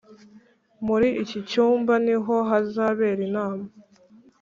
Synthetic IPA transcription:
muɾiʔicit͡ʃuːmbaniɦo̞ɦazaβe̞ːɾinaːma

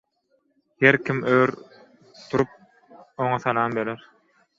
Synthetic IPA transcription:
heɾkʰʲimøːɾ | t̪ʰuɾup̚ | oŋɑθɑlˠɑːmbeleɾ

